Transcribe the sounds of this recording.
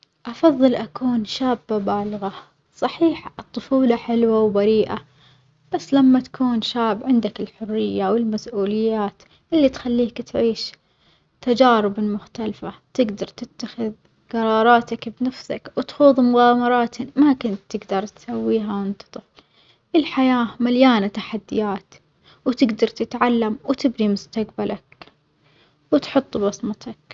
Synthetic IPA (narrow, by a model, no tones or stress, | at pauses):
ʔɑfɑðˤːɨlʔakuːnʃaːbːabaːlɣa | sˤɑħiːħʔɨt̪ˤːʊfuːlɑħɪlwawbaɾiːʔa | b̥asːlamːat̪ḁkʰuːnʃaːbʕɪnd̪akɪlħʊrːɪjːawɪlmasʔuːlɪjːaːt̪ | ʔɪlːit̪xalːiːkt̪ʕiːʃ | t̪ːad͡ʒaːɾɪbɪlmʊxt̪alfat̪ɪɡd̪ɑɾˤt̪ɪt̪ːaxɪð | ɡɑɾˤɑːɾˤɑːt̪akbnafsa̰kwɪt̪xuːðˤmʊɣaːmɑɾˤɑːt̪ɪmakɪnt̪ːɪɡd̪ɑɾˤt̪sawːiːɦawɪnt̪ɑ̥t̪ˤɨfl | ʔɪlħajaːmaljaːnat̪aħad̪ːɪjaːt̪ | wt̪ɪɡd̪ɑɾˤt̪ɪt̪ʕalːamwt̪ɪbnimʊst̪aqbalʔak | wɪt̪ħʊt̪ˤːbɑsˤmɑt̪ɑk